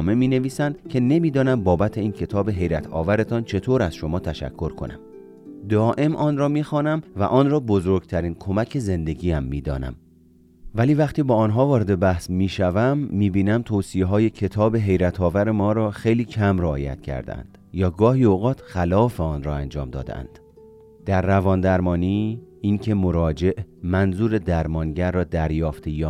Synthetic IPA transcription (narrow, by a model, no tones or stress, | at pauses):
me̞miːne̞viːsænd̪cʰe̞ne̞miːd̪ɒːnæmbɒːbæt̪ʰe̞iːncʰe̞t̪ʰɒːbe̞ɦe̞jɾæt̪ʰɒ̰ːvæɾe̞t̪ʰɒnt͡ʃʰe̞t̪ʰoːɾæz̥ʃo̞mɒːt̪ʰæʃæ̰kʰːo̞ɾkʰo̞̰næ̰m | d̪ɒːʔe̞mʔɒːnrɒːmiːxɒːnæmvæ̰ʔɒːnrɒːbozoɾɡ̥t̪ʰæɾiːnkʰo̞mæcʰe̞ze̞nd̪e̞ɡiːæmːiːd̪ɒ̰ːnæ̰m | væliːvæχt̪iːbɒːnɦɒːvɒːɾe̞d̪e̞bæhsmiːʃævæmːiːbiːnæmt̪ʰoːsijeɦɒːje̞cʰe̞t̪ʰɒːbe̞ɦe̞jɾæt̪ʰɒːvæɾe̞mɒːɾɒːxejliːcʰæmreɒːjæ̰t̪cʰæ̰ɾd̪̰æ̰nd̪̥jɒːɡɒːɦiːoɣɒːt̪ʰxælɒːfeɒːnrɒːænd͡ʒɒ̰ːmd̪ɒ̰ːd̪ḛæ̰nd̪̥ | d̪̥æɾːævɒːnd̪æɾmɒːniːiŋcʰe̞moɾɒːd͡ʒe̞ʔmænzuːɾe̞d̪æɾmɒːnɟæɾːɒːd̪æɾjɒːft̪ʰejɒː